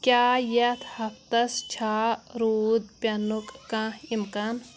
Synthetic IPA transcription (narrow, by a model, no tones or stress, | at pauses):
kjaːjɐt̪ʰhɐpt̪ɐst͡ʃʰaːɾuːd̪̚pʲɐnukːãhimkan